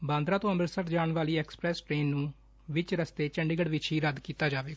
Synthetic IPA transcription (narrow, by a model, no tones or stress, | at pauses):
bãːnd̪ɾãːt̪õːəməɾsəɾd͡ʒaːɳʋaːliːɛːkspɾɛːsʈɾeːnːũː | ʋɪt͡ʃɾəst̪eːt͡ʃəɳɖiːɡəɽʋɪt͡ʃʰɦiːɾəd̪kiːt̪aːd͡ʒaːʋeː